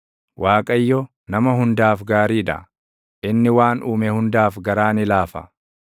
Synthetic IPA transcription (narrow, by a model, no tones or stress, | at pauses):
wʔaːkʼɐjːɔ | nɐmɐɦʊnd̪aːfɡaːɾiːᶑɐ̰ | ʔɪnːɪwaːnʔuːmɛhʊnd̪aːfɡɐɾaːnɪlaːfɐ̰